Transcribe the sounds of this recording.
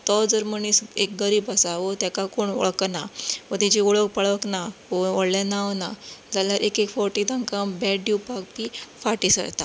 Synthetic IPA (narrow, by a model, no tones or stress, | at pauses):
t̪ɔd͡zəɾməɳisek̚ɡəɾiːbasaʋot̪jakakoɳɔ̰ɭknaʋət̪id͡ʑiuɭək̚pəɭəknaʋɔɔɽlanaʋnad͡zaljaɾʔekekfɔɾʈit̪ãŋkãbɛɖupak̚pifaʈisə̰ɾt̪a